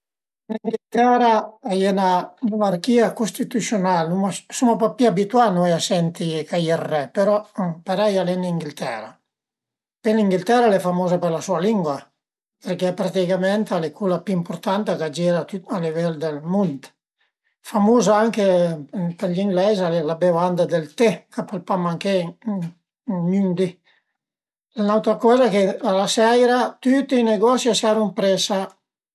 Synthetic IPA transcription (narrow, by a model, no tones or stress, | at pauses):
niŋɡilt̪ɛɾaajɛnanunaɾkiakust̪it̪usjonalnumasumapapiabit̪wanuɛjasɛnt̪ikajɛrːɛpeɾɔpaɾɛjalɛniŋɡilt̪ɛɾa̰ | peliŋɡilt̪ɛɾalɛfamoːzapeɾlasualiŋɡwa | peɾkepɾat̪ikamɛnt̪alekʰulapyimpuɾt̪ant̪akad͡ʒiɾat̪yalivɛld̪elmunt̪ | famuzaaŋkepeɾʎiŋɡlɛzalelabevand̪ad̪elt̪ekapalpamaŋke | nynd̪i | lanawt̪ɾakɔːzakealasɛjɾat̪yt̪ineɡɔsjasaɾuŋpɾesa